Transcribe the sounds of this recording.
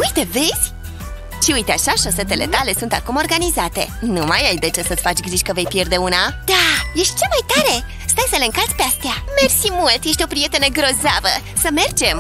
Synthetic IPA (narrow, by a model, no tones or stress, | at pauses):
ujt̪e̞ve̞z̥ʲ | ʃiujt̪eaʃaʃo̞se̞t̪e̞le̞̰t̪ale̞sunt̪akumo̞rɡanizat̪e̞̰numa̰jajd̪e̞t͡ʃe̞sət̪sʲfat͡ʃʲɡɾiʃʲkəve̞jpje̞rd̪e̞unad̪̥aje̞ʃt̪̚ʲt͡ʃemajt̪aɾe̞ | st̪ajsəleɨŋkalt̪sʲpe̞ast̪ejame̞rsimult̪je̞ʃ̬ʲt̪ʲopɾije̞t̪e̞nəɡɾo̞zavə | səme̞rd͡ʒe̞m